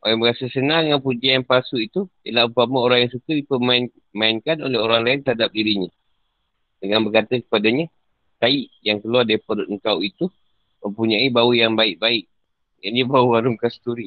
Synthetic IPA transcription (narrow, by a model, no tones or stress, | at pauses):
o̰laŋbəɾasəsənãŋanpud͡ʒianpasuit̪uḭlahupamaoɾaŋjaŋsukədipəman | maɪnkanoleɦoɾaŋlaɪnt̪əɾɦadap̚diɾiɲã | dəŋanbəkat̪əkə̥padaɲə | t̪aiʔjaŋkəluadepɔɾt̪̚əŋkawit̪u | mə̃mpuɲaibaujaŋbaɪʔ̚baɪʔ | ja̰d͡ʒabauwaɾʊmkast̪uɾi